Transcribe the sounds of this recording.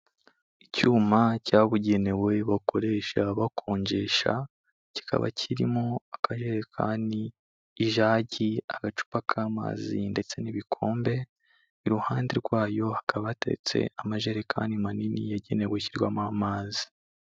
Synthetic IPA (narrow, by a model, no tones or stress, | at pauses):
icuːmacaβuɟe̞ne̞we̞βako̞ɾe̞ʃaβakʰo̞ːɲɟe̞ʃa̰ | ci̥kʰa̰βa̰cʰiɾḭmo̞akʰaʒe̞ɾekʰa̰niː | ʒaːɟiaɡat͡ʃu̥pakʰaːma̰ːzinde̞t͡se̞niβikʰo̞ːmbe̞ | iɾuhaːndeɾɡwaːjo̞hakʰaβaateɾḛt͡se̞̰amaʒeɾekʰa̰ːnimaninḭjaɟe̞ne̞weciɾɡwamamaːzi